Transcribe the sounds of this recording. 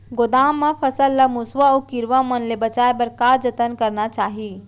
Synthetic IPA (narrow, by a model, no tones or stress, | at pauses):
ɡod̪aːmːə̃pʰəsəlːəmusʋaokiɾʋamənlebət͡ʃaːebəɾkad͡ʒət̪ənkəɾnat͡ʃaːɦi